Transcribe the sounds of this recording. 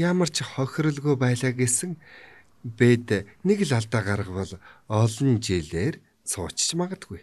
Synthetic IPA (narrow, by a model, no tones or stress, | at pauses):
jamə̆r̥t͡ɕʰχɔxʲrɞ̆ɮɣujpæːɮaːɡesɘ̆ŋ | peːt̪neɣ̆ɮaɮt̪aːɢaɾə̆pɔɮɔɮɞ̆nt͡ɕeɮeːr | t͡sʰʊːt͡ɕt͡ɕmaʁə̆t̪ɡuj